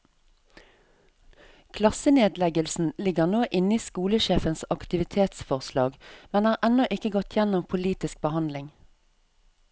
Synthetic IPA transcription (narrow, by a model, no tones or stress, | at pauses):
kʰlɑsəneːd̪lɛɡəlsn̩lɪɡəʁnoːʔɪniːskuːləʃeːfənsɑkt̪ɪʋɪt̪ʰeːt̪sfɔʁslɑːɡmɛnhɑːʁʔɛnɔʔɪkəɡɔt̪ʰjɛnɔmpʰʊliːt̪ɪsk̚bəhɑnd̪lɪŋ